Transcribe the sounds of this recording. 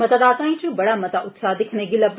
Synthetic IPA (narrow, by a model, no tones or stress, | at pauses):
ɐt̪ɐd̪aːt̪ãːĩt͡ʃubɐɽamɐt̪aʔʊt̪saːd̪ɪkʰneɡilɐb